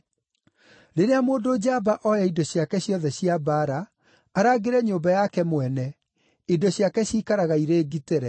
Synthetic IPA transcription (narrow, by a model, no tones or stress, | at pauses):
ɾeɾeamoːndoːd͡ʑabaʔɔjaidoɕjakɛɕjɔðɛɕiabaɾaː | ɾaːɡeɾɛɲobajakɛmwɛnɛ | idoɕjakɛɕiːkaɾaɣaiɾeːɡiteɾɛ